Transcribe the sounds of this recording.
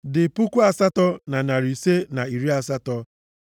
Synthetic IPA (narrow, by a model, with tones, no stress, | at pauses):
dɪ˨pu˦kʷu˦a˨sa˦tɔ˦na˨na˨ɾi˨se˦na˨i˨ɾi˦a˨s̬a˦tɔ˦